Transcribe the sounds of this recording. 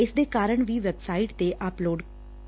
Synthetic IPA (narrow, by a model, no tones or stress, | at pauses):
ɪsd̪eːkaːɾəɳʋiːʋɛbsaːɪʈt̪eːʔəploːɖ